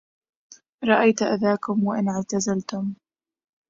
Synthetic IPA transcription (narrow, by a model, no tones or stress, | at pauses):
ɾˤɑʔajt̪ʔaðaːkʊmwaʔɪnʕʕt̪azalt̪ʊm